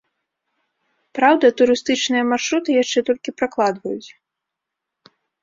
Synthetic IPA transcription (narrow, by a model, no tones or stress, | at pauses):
pɾawd̪ɐt̪uɾɨst̪ɨt͡ʂnɨjɐmarʂɾut̪ɨjaʂt͡ʂɛt̪ɔlʲkʲipɾaklˠad̪vɐjṵt͡sʲ